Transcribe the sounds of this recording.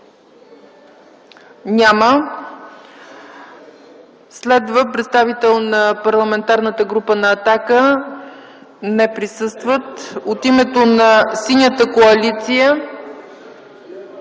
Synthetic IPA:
nʲamə | slɛd̪vəpɾɛt̪st̪avit̪ɛlˠnɐpɐɾlˠɐmɛnt̪aɾnət̪əɡɾupənɐːt̪akə | nɛpɾisɤst̪vət̪ot̪imɛt̪onɐsinʲət̪əkoɐlit̪sijə

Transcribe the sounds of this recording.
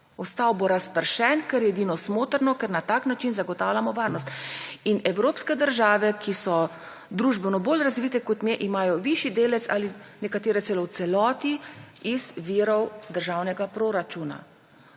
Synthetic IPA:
ɔst̪aːwboɾaspəɾʃɛnkɛɾjɛɛd̪inɔsmoːt̪əɾnɔkɛɾnat̪aknat͡ʃinzaɡɔt̪aːwlʲamɔʋaːɾnɔst̪inɛwɾoːpskɛd̪əɾʒaːʋɛkʰisɔ | d̪ɾuːʒbɛnɔbolɾazʋiːt̪ɛkɔt̪mjɛʔimaːjɔʋiʃid̪eːlɛt̪sa̰ːlinɛkat̪eːɾɛsɛlɔwt̪sɛlɔːt̪iizʋiːɾɔwd̪əɾʒaːwnɛɡapɾoɾat͡ʃuːna̰

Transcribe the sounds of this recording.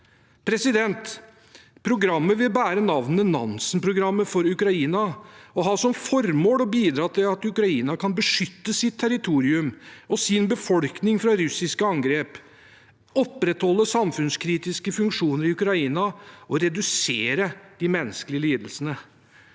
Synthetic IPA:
pʰɾɛsɪd̪ɛnt̪ | pʰɾʊɡɾɑmːəʋɪlbæːɾənɑʋnmənɑ̰nsənpʰɾʊɡɾɑmːəfɔɾʉkɾɑiːnɑɔɦɑsɔmfɔɾmoːɽɔbiːd̪ɾɑːt̪ʰɪlɑt̪ʉkɾɑiːnɑkʰɑnbəʂʏt̪ːəsɪt̪ʰːæɾɪt̪ʰuːɾɪʉmɔsɪnbəfɔlknɪŋfɾɑɾʉsɪskəɑŋɡɾeːp | ɔpːɾɛt̪hɔlːəsɑmfʉnskʰɾiːt̪ɪskəfʉŋkʂuːnəɾɪʉkɾɑiːnɑɔɾɛd̪ʉseːɾəd̪̥ɪmɛnːəsklɪəliːd̪əlsənə

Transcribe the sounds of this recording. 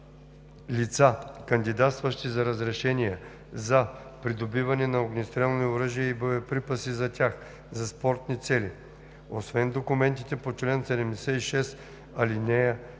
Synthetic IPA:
lit̪sakɐnd̪id̪at̪st̪vəʃt̪izɐɾəzɾɛʃɛnijɛ | zɐpɾid̪obivɐnɛnɐoɡnist̪ɾɛlˠnioɾəʒijəibojɐpɾipɐsizɐt̪ʲax | zɐspɔɾt̪nit̪sɛli | osvɛnd̪okumɛnt̪it̪ɛpot͡ʃlɛnsɛd̪ɛmd̪ɛsɛiʃɛs | ɐlinɛjə

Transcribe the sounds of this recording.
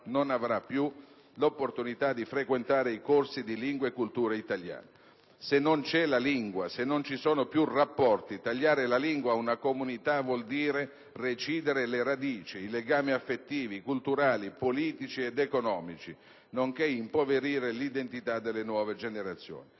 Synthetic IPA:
nonavɾapːju | lopːort̪unit̪ad̪ifɾekwent̪aːɾeikorsid̪iliŋɡweekːult̪uːɾeit̪alja̰ːne | senːont͡ʃɛlaliŋɡwasenːont͡ʃisɔːnopjurapːɔrt̪it̪aʎːaːɾelaliŋɡwaunakomunit̪avwɔld̪iːɾe | ret͡ʃiːd̪eɾeleɾad̪iːt͡ʃiːleɡaːmiafːet̪ːiːvikult̪uɾaːlipoliːt̪it͡ʃied̪ekonɔːmit͡ʃi | noŋkeimpoveɾiːɾelid̪ent̪it̪ad̪ːelːenwɔːved͡ʒeneɾat̪sːjo̰ːni

